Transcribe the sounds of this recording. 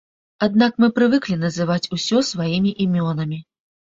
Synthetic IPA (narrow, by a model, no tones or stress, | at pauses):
ad̪nakmɨpɾɨvɨklʲinɐzɨvat͡sʲusʲɔsvajimʲiʔimʲɔnɐmʲi